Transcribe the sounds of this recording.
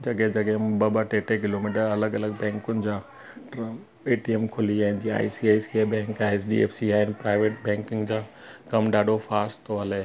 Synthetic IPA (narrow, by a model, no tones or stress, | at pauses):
d͡ʑɐɡẽd͡ʑɐɡeɪ̃bɐbaʈeːʈek̬ɪloːmiːʈəɾɐləɡɐləɡbɛ̃ːŋkʊnɪ̆d͡ʑaː | ʈ | eːʈiemkʰʊliaːɦɪ̃nɪ̆d͡ʑia̰ːisiaːisiebɛ̃ːŋkːesɗḭḛːfsiaːɦɪnɪ̆pɾaːɪʋeːʈbɛ̃ːŋkɪ̃ŋɡd͡ʑaːkɐmɖaːɖʱofaːɾsʈt̪ʰoɦɐleː